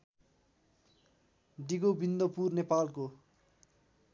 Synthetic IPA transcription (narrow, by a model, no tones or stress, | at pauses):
ɖiɡobind̪ʌpurnepalko